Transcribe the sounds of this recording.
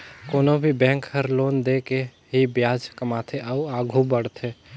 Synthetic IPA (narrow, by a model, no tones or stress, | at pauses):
koːnobʱibɛ̃ːŋkhəɾloːnd̪eke | ɦibjaːd͡ʒkəmaːt̪ʰeəuaːɡʱubəɽt̪ʰeː